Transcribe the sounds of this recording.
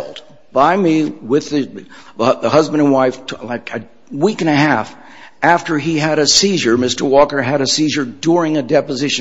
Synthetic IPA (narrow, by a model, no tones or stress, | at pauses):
lˠd | b̥aɪmiwɪðɨ | ðəhʌzbɨ̃nə̃nwaɪftʰlaɪkɨ | wikɨ̃nɨɦæf | ʔæftə˞iɨɾɨsiʒə˞mɪstə˞wɔkə˞ɨɾɨsiʒə˞dʊɹɪ̃ŋɨdɛpɨzɪʃ